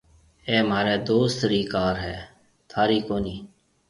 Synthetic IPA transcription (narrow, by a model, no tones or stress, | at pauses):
eːmaːɾeːd̪oːst̪ɾiːkaːɾɦɛː | t̪ʰaːɾiːkoːniː